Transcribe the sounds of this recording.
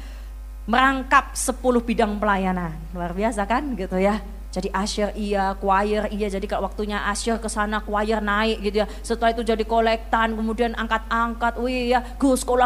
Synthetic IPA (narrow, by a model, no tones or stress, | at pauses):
məɾaŋkap̚səpulʊhbidaŋpəlajananluarbiasakanɡit̪uja | d͡ʒadiʔaʃɪrijakuajərijad͡ʒadikaʔwak̚t̪uɲaʔaʃɪrkəsanakuajɪrnaɪkʔɡit̪uja | sət̪uait̪ud͡ʒadikolɛk̚t̪ankəmudianʔaŋkat̪̚aŋkat̪̚wijaɡ̥ʊskola